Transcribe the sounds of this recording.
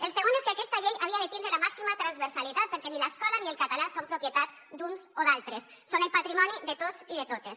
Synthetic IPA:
elseɣoneskeakɛst̪aʎejʔaβiaðet̪ind̪ɾelamaksimat̪ɾanzβeɾsalit̪at̪̚peɾkɛnilaskɔlanielˠkat̪alasompɾupjet̪at̪ | d̪unzoðalˠt̪ɾesːonelpat̪ɾimɔniðet̪ot͡sziðet̪ot̪es

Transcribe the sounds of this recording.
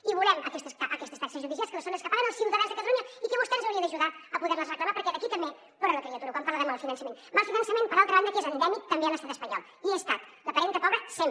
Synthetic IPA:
iβulɛməkɛst̪əsʔəkɛst̪əst̪asəzuðizjalskələsonəskəpaɾənəlˠsiwd̪əɾazðəkət̪əluɲəikəβust̪ɛnzəwɾiəəʒuðaəpuðɛɾnəzrəkləmapəɾkɛd̪əkit̪əmbe | poɾanləkɾiət̪uɾəkwampaɾləðəmalˠfinənsəmenmalˠfinənsəmẽnpəɾalˠt̪ɾəβand̪əkezənd̪ɛmik̚t̪əmbeələst̪at̪əspəɲɔ̰lˠ | iest̪at̪d̪əpəɾɛŋk̪əpɔβɾəsem

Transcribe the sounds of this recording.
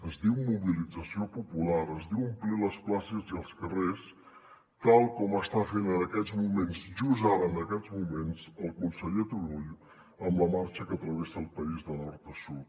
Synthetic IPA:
əzd̪iwmuβilid͡zəsiopupulaɾəzðiwəmpliləsplasəziəlˠskəres | t̪alˠkɔməst̪afenənəkɛd͡zmumenzʒuzaɾənəkɛd͡zmumenzəlˠkunsəʎet̪uɾuʎ | əmləmaɾt͡ʃəkət̪ɾəβesəlˠpəizðənɔɾt̪əsut̪

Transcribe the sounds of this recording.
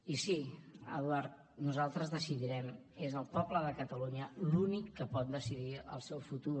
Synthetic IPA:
isiə̰ðwaɾt̪̚ | nuzalˠt̪ɾəzðəsiðiɾɛm | ezəlˠpɔbləðəkət̪əluɲəlunikːəpɔt̪̚d̪əsiðiə̰lˠsɛwfut̪u

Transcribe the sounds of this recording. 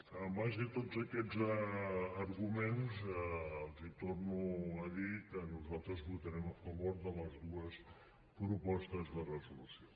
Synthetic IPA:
əmmaʒðət̪ozəkɛzəː | ɾɣumenzəəlˠzit̪ornuəðit̪ənuzalˠt̪ɾəzβut̪əɾɛməfəβoɾðələzðuəs | pɾupɔst̪əzðərəzulusio

